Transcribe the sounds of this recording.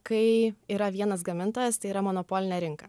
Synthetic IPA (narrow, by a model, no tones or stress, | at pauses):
kɐɪiːɾɐʋʲiɛnɐsɡɐmʲɪnt̪oːjɛst̪ɐɪiɾɐmoːnopoːlʲɪnʲɛɾʲɪŋkɐ